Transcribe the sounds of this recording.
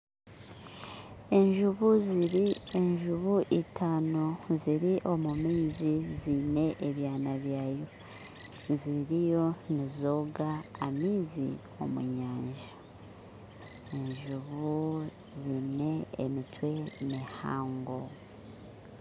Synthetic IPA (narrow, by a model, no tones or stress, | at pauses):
e̞ɲʒuβuziɾie̞ɲʒuβuʔitʰaːnoziɾiʔo̞mumiːzizine̞ʔeβjaːnaβjaːjo̞ | ziɾijo̞nizoːɡaːmiːzḭ | o̞̰mṵɲaːɲʒa | eɲʒuβu | zine̞ḛmitwe̞neha̰ːŋɡo